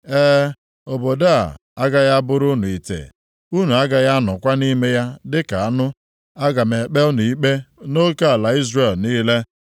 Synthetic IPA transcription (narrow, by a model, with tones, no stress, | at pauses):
eː˦ | o˨bo˨da˦a̰˨a˦ɡa˦ja˦bʊ˦ɾʊ˦nʊ˨i˨tḛ˨ | u˦nu˨a˦ɡa˨ja˦nʊ˨kʷa˦ni˦me˦ja˦dɪ˦ka˨a˦nʊ˦ | a˦ɡa˨me˨k͡pe˦nu˨i˦k͡pe˦no˦ka˦a˨la˨i˦zre˨lniː˦le˦